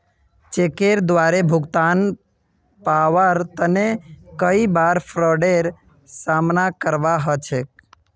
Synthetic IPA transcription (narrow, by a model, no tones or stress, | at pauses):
t͡ʃekeɾd̪ʋaɾebʱʊɡt̪an | paʋəɾt̪ənekəibaɾpʰɾɔɖeɾ | samnakəɾbaɦət͡ʃʰek̚